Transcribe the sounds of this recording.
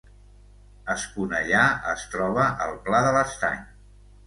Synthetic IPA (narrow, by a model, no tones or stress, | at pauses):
əskunəʎaəst̪ɾɔβ̞əʔəlˠplaðələst̪a̰ɲ